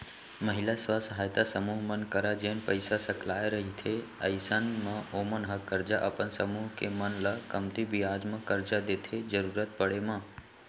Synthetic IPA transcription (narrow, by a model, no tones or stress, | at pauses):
məɦilasʋasəɦaːjt̪asəmuːɦmənkəɾad͡ʒenpəjsasəklaːjɾəɦit̪ʰeə̰jsanmə̃omənɦəkəɾd͡ʒaʔəpənsəmuːɦkemənlakəmt̪ibiaːd͡ʒmə̃kəɾd͡ʒad̪et̪ʰed͡ʒəɾuːɾət̪̚pəɽemã